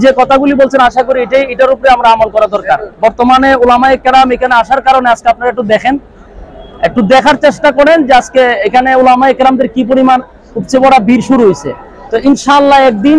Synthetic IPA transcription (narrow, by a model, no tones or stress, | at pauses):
d͡ʑekɔt̪ʰaɡulibolt͡ɕʰenaʃakoɾieʈajeʈaɾupɾeamɾaamolkɔɾad̪ɔɾkaɾbɔɾt̪omaneulamaekːɾamekʰaneaʃaɾkaɾonead͡ʑkeap̚naɾaek̚ʈud̪ɛkʰen | ek̚ʈud̪ɛkʰaɾt͡ɕeʃʈakɔɾend͡ʑeaskeekʰaneulamaekɾamd̪eɾkipoɾiman | upt͡ɕebɔɽabʱiɾʃuɾuɦojt͡ɕʰḛ | t̪ɔinʃaalːaɛk̚d̪in